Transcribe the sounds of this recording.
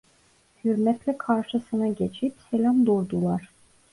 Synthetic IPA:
hyɾmɛt̪lʲɛkʰaɾʃɯsɯnaɟet͡ʃʰipselʲamd̪oɾd̪ulˠaɾ̥

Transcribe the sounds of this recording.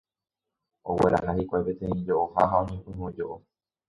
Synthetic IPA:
owe̞̰ɾʔa̰ɦahikʷajpe̞t̪ẽ̞ĩd͡ʒoʔohaɦaõɲẽpɨ̃hõd͡ʒoʔo

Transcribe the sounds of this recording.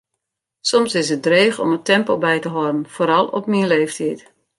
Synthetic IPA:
sɔmsɪsət̚dreːxɔmətɛmpolˠbɛjtəɦɔrən̩foːɾɑlˠɔ̰pminleːftʰit

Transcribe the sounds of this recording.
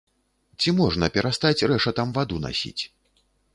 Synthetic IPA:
t͡sʲimɔʐnɐpʲɛɾʔast̪at͡sʲrɛʂɐt̪amvad̪una̰sʲḭt͡sʲ

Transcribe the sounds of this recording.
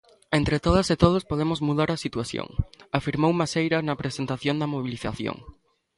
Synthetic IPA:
ent̪ɾet̪oð̞aset̪oð̞ospoð̞emozmuðaɾasit̪waθjõ̰ŋafiɾmowmasejɾanɐpɾesent̪aθjond̪ɐmoβ̞iliθa̰θjo̰ŋ

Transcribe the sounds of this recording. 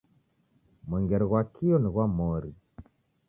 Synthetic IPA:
mwɛŋɡɛɾɛɣwakʰiɔniɣwamɔɾi

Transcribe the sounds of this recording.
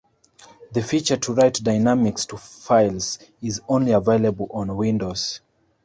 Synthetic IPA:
ðəfit͡ʃə˞tʰəɹaɪtdaɪnamɪkstʰəfaɪlˠzizõʊ̃nliəveɪləbəl̩ˠɔ̃nwĩndoz̥

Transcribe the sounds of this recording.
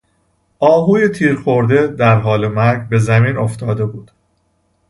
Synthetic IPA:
ʔɒːɦuːje̞t̪ʰiːɾxo̞ɾd̪ed̪æɾɦɒːle̞mæɾɡbe̞zæmiːnoft̪ʰɒːd̪e̞buːd̪̥

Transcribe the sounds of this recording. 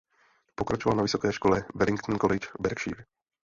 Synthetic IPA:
pɔkɾat͡ʃɔʋalnavʋisɔkɛːjʃkɔlɛbɛɾiŋkt̪nkɔlɪt͡ʃbɛɾkʃḭːɾ

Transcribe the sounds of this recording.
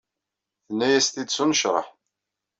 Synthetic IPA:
θənːæjæst̪id̪sunəʃɾˤə̰ħ

